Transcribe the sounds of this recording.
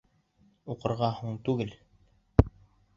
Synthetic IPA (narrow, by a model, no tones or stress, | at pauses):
uqɤ̆ɾʁɑhuɴt̪ʉɡɘl